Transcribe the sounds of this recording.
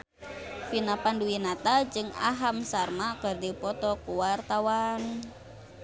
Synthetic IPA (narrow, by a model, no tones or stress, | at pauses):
finapanduinat̪ad͡ʒɨŋa̰ɦamsarmakərdipɔt̪ɔkuwart̪awan